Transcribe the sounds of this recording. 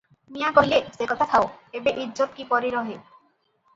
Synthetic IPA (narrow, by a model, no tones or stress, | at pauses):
mijakoɦilesekɔt̪ʰat̪ʰaoebeʔidd͡ʑot̪̚kipɔɾiɾɔɦe